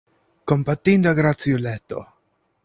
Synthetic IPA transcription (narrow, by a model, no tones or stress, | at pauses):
kompat̪ːind̪oaɡɾat̪sjolɛt̪ːo̰